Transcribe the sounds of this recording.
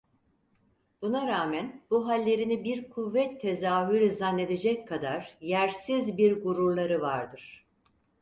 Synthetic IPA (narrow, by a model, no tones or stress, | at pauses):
b̥unaɾaːmænbuɦalʲːe̞ɾinibiɾkʰuvːɛt̪ʰːe̞zaːɦyɾizanːe̞d̪ed͡ʒɛckʰːad̪aɾjæɾsizbiɾɡuɾuɾlˠaɾɯvaɾd̪ɯɾ̥